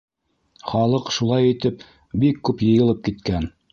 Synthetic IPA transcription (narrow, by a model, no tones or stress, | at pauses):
χɑlˠɤqʃulˠɑjit̪ɘp | bikːʉpjɤ̆jɤ̆lˠɤp̚kit̪kæn